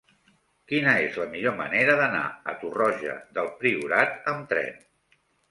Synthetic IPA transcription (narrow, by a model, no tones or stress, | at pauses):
kinəezləmiʎoməneɾəðəna̰ə̰t̪urɔʒə̰ðəlˠpɾiuɾat̪əmt̪ɾɛ̰n